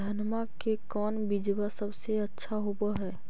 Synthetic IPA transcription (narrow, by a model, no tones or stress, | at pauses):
d̪ʱənmakekɔːnbid͡ʒbasəbseətːʃʰaɦobaɦɛː